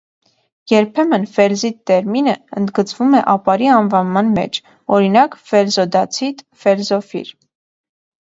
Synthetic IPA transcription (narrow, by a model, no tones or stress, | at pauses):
jɛɾpʰɛmənfɛɾzit̪ːɛɾminəənd̪ɡət͡svumɛʔɑpɑɾiɑnvɑnmɑnmɛ̰t͡ʃʰ | ɔɾinɑkfɛɾzɔd̪ɑt͡sʰit̪ | fɛɾzɔfḭɾ